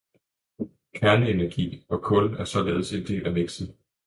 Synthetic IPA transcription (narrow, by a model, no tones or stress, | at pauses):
kʰæɐləenæɐɡ̥ḭːɒ̽kʰɔ̽læɐsɒ̽leːð̞ˠse̝nd̥e̝̰ːlæʋeɡ̥s̩ˠ